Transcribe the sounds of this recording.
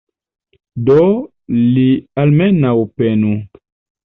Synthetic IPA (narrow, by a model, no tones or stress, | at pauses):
dɔ | lialmɛnaupɛnu